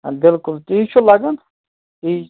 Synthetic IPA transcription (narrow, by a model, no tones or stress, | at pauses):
bɪlkʊlt̪it͡ʃʰulaɡan | i